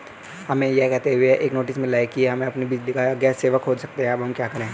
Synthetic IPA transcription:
hɐmẽjɛkɛɦt̪eɦʊeɦɛʔeːknoːʈɪsmẽlaːɪkiɛɦɐmẽɐpnibid͡ʒlikaɡɛːseːʋəkɦoːsɐk̚t̪eɦɛ̃ɐbʱɦɐmkjaːkɐɾẽː

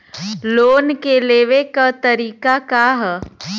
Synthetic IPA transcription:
loːnkeleːʋekat̪ɐɾiːkakaɦ

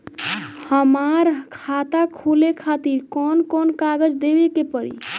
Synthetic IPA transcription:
həmaɾkʰat̪akʰulekʰat̪iɾkɔnkɔnkaɡəd͡ʒd̪ebekepəɾḭ

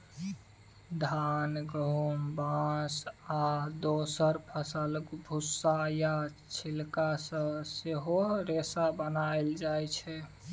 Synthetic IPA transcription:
d̪ʱanɡəɦumbãsad̪osəɾpʰəsəlkbʱusːaja | t͡ʃʰilkasə̃seɦoɾesabənaeld͡ʒajt͡ʃʰɛ

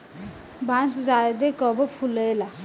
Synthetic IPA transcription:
bãnsd͡zad̪ekɔbɔpʰuləjla

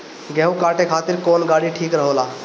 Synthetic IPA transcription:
ɡeɛ̃ɦukaʈekʰat̪iɾkoːnɡaɽiʈʰiːkɾəɦolaː

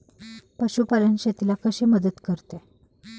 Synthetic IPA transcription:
pəɕupalənɕet̪ilakəɕiməd̪ət̪kəɾt̪e

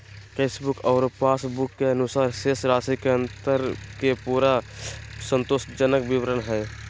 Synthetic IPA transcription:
keːsbʊkɔːɾpaːsbʊkːeənʊsaːɾʃeːsɾaːsikeə̃nt̪əɾkepuːɾasə̃nt̪ʊʃʈd͡ʒənəkbɪʋɾənɦɛː

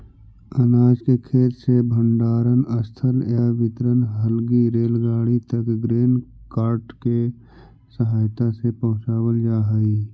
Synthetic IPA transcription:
ənaːd͡ʒkekʰeːt̪sebʱəɳɖaːɾənəst̪ʰəljaʋɪt̪ɾənɦəlɡiɾeːlɡaːɽit̪əkɡɾeːnkaːɾʈke | səɦaːjt̪asepəɦʊ̃t͡ʃaːwəld͡ʒaːɦəiː

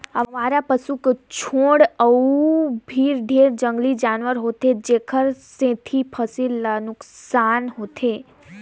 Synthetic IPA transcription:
əmaːɾapəsukt͡ʃʰoːɽəubʱiːɾɖʱeːɾd͡ʒəŋɡlid͡ʒaːnʋəɾɦoːt̪ʰed͡ʒeːkʰəɾsẽt̪ʰipʰəsilnʊkssaːnɦot̪ʰe

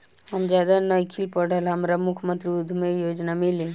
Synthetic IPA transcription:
ɦəmd͡ʒad̪anəjkʰilpəɽ̤əlɦəmɾamukʰmə̃nt̪ɾiud̪ʱmejod͡ʒnamili

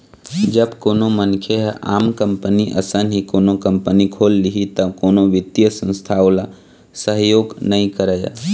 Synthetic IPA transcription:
d͡ʒəbkoːnomənkʰjeɦa̰ːmkəmpəniʔə̰sənɦikoːnokəmpənikʰoːlːiɦit̪əkoːnoʋɪd̪jəsə̃nst̪ʰaʊla | səɦjoːɡnəɦĩkəɾəja̰

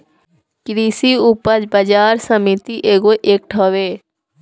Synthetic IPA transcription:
kɾiːsiːupəɾd͡ʒbəd͡ʒaːɾsəmit̪iːʔeːɡoːʔek̚ʈʰoːʋeː

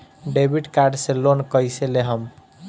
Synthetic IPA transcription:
ɖebʱiʈkaɾɖselonkʌjseleɦəm

